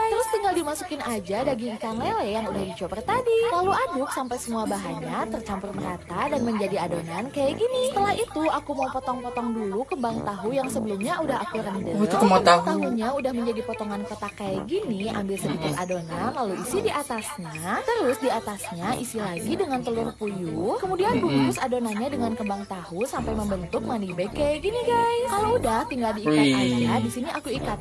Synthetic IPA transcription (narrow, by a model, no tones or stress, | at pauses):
t̪əɾʊst̪iŋɡaldimasukɪnad͡ʒadaɡikaŋlelejaŋudahdit͡ʃopɛrt̪adilaluʔadʊksampajsəmuabaɦaɲat̪ərt͡ʃampʊrməɾat̪adanməɲd͡ʒadiadonankajaʔɡinisət̪əlahʔit̪uakumaupɔt̪ɔŋpɔt̪ɔŋdulukəmbaŋt̪aɦujaŋsəbəlumɲaudaɦakuɾəndət̪at̪aɦuɲaudahməɲd͡ʒadipɔt̪ɔŋankot̪akajaʔɡinia̰mbɪlsəbik̪ʊsa̰donalaluisidiʔat̪asɲat̪əɾʊsdiat̪asɲaʔisilaɡidəŋant̪əlʊrpujukəmudianbuɡʊsadonaɲadəŋankəmbaŋt̪ahusampajməmbənt̪ʊk̚manibekajɡiniɡajkaloudaht̪iŋɡaldiːkat̪anjadisiniʔakuikat̪